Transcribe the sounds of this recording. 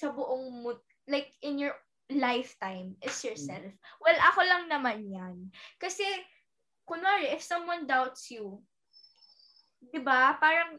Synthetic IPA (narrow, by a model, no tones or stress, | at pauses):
sɐbʊʔoŋmʊt̪̚ | lajk̚ɪ̃njɔɹ | lajft̪ãjmʔɪt̪sjɔɹsɛlfwɛlʔɐko̞lɐŋnɐmanjɐnkɐsɛ | kʊnaɹɛʔɪfsɐ̃mwɐ̃nd̪awt̪sju | d̪ɪbapaːɾɐŋ